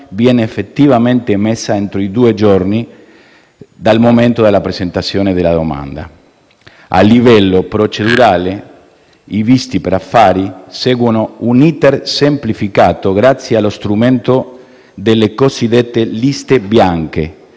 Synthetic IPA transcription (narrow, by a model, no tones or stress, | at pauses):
vjɛːneːfːet̪ːivamẽnt̪emesːaent̪ɾoid̪uːed͡ʒorni | d̪almomẽnt̪od̪elːapɾezent̪at̪sːjoːned̪elaðoma̰nd̪a̰ | a̰lːivɛlːopɾot͡ʃeduɾaːle | ivist̪ipeɾafːaːɾiseːɡwonounit̪ersemplifikaːt̪oɡɾat̪sːjealost̪ɾument̪o | d̪elːekosid̪et̪ːelist̪ebjaŋke